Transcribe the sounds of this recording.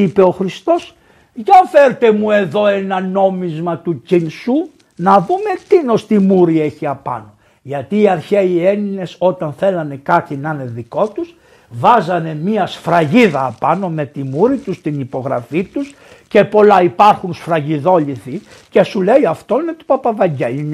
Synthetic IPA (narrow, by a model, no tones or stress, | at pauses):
ipe̞o̞xɾist̪o̞s | ʝɐnfe̞ɾt̪e̞mue̞ðo̞e̞nɐno̞mizmɐt̪ucinsu | nɐðume̞t̪ino̞st̪imuɾie̞çiɐpɐ̰no̞ | ʝɐt̪iːɐɾçeie̞nine̞so̞t̪ɐnθe̞lɐne̞kɐt̪inɐne̞ðiko̞t̪us | vɐzɐne̞miɐsfɾɐʝiðɐːpɐno̞me̞t̪imuɾit̪ust̪inipo̞ɣɾɐ̰fit̪us | ce̞po̞lɐipɐɾxunsfɾɐʝiðo̞ʎiθi | ce̞sule̞iɐft̪o̞net̪u̥pɐpɐvɐɲɟein